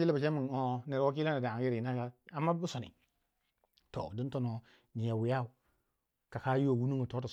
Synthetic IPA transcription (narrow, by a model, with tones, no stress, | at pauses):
i˦la˦ba˨t͡ʃe˦mi˨o˦ne˨ɾwa˦k̬i˦la˦na˨da˨ɡi˦ɾi˨na˦ka˦a˨mːa˦bu˦so˨nḭ˨ | to̰˨di˦nto˦no˨ | ɲi˨ja˨wi˨ja˦u˨ | ka˨ka˦jo˨wu˦nu˦ŋə˨to˦ta˨